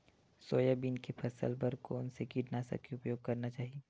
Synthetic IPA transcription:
soːjabiːnkepʰɐsə̰lpɐɾkoːnsekiːʈnasɐ̰keʊpjoːɡ̚kɐɾnat͡ʃaːɦieː

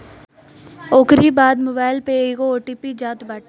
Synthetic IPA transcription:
oːkɾibaːd̪moːbaːɪlpeeːɡooːʈiːpid͡ʒaːt̪baːʈ

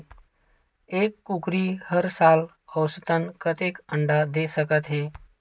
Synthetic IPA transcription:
eːkːukɾihəɾsaːl | əwst̪ənkət̪ekəɳɖad̪esəkət̪ɦeː

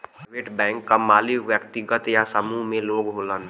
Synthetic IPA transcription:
pːʋeːʈbɛ̃ːŋkːamaːlɪʋjəkt̪ɪɡət̪jasəmuɦmẽloːɡɦoːlən

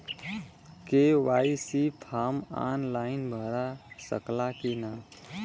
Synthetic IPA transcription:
keʋaːisipʰaːma̰ːnlaːɪnbʱəɾasə̰klakinaː

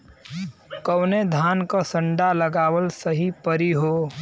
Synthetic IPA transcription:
kəwned̪ʱaːnkasə̃ɳɖaləɡaːwəlsəɦipəɾiɦoː

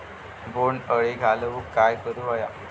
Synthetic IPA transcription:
boɳəɭeɡʱaləukːajkəɾuʋaja

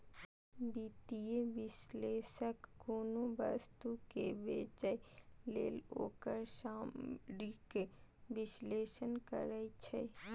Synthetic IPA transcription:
biːt̪ijeʋɪsleːʃəkɡoːnobə̰st̪ukebeːt͡ʃəjlḛːlo̰ːkəɾʃaːmɾikeʋɪsleːʃənkə̰ɾəit͡ʃʰɛ̰

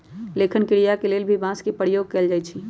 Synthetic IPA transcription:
leːkɪnkɪɽijakeleːlbʱibãːskipəɾjoːɡ̚keːld͡ʒaːit͡ʃʰi

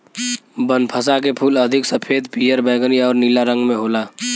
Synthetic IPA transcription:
bənpʰəsakepʰuːləd̪ʱɪksəpʰeːd̪piːjəɾbɛːɡəniɔːɾnilaɾə̃ŋɡmẽɦoːlaː

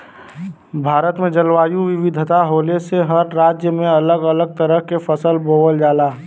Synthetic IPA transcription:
bʱaːɾət̪mẽd͡ʒəlʋaːjuʋɪʋɪd̪ʱt̪aɦoleseɦəɾːaːd͡ʒjəmẽələɡələɡ̚t̪əɾəɦkefʰəsəlboːʋəld͡ʒaːlaː

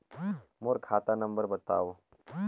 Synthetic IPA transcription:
moɾkʰaːt̪anɐ̃mbəɾbɐt̪aːo

